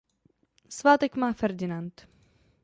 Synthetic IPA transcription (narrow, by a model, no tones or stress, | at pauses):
svat̪ɛkmafɛɾd̪ʲinant̪